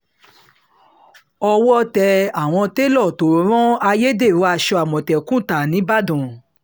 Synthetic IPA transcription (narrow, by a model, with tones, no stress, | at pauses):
ɔ˧wɔ˦tɛ˧a˨w̃ɔ̃˧te˦lɔ˦˨to˨˦ɾ̃ɔ̃˦a˧je˦de˦˨ɾũ˨˦a˧ʃɔ˧a˨mɔ̃˨tɛ˨kũ˦˨ta˨nĩ˨˦ba˦˨dɔ̃˨